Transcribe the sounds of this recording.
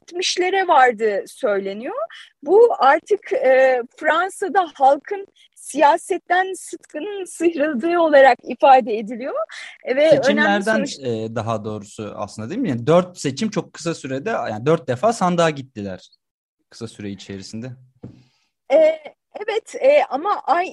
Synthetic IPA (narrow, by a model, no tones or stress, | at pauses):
t̪miʃlʲe̞ɾɛvaɾd̪ɯsø̞jlʲe̞nijo | buaɾt̪ʰɯkɛːfɾansad̪ahalˠkʰɯn | sijaːsɛt̪ːænsɯt̪kʰɯnɯnsɯçɾad̪ɯːo̞lˠaɾakifaːd̪ɛed̪ilʲijovɛet͡ʃimlææɾd̪ænɛːd̪aɦad̪o̞ːɾusua̰slˠɯnd̪ad̪eimjand̪øɾt̪se̞t͡ʃʰimt͡ʃʰo̞kʰːɯ̥sasyɾed̪ɛjaːnid̪øɾt̪̚d̪efaːsand̪aːɟit̪ːilʲæ̰ɾ̥ | kʰɯ̥sasyɾeit͡ʃʰe̞ɾisind̪ɛ | ɛː | ɛvɛt̪ʰɛːamaʔaj